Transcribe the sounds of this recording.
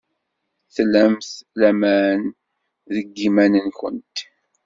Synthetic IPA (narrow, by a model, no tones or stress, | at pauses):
θlæmθlæmæn | ðəɡːimænənçə̰nt̪